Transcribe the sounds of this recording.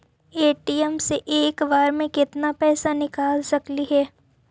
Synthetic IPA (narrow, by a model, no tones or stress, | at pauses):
eːʈiɛmseʔeːkʋaːɾmẽkɪt̪napɛːsanɪkaːlsɐkliɦɛː